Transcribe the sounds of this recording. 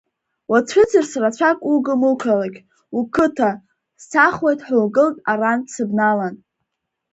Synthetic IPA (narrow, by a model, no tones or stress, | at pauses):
wat͡ɕʷʰʊt͡sʰɨrsrat͡ɕʷʰakʷʼuɡɨmɨkʷʰalaɡʲ | ukʰɨtʰa | saχwejtʼħʷʊlɡɨltʼaransɨbnalan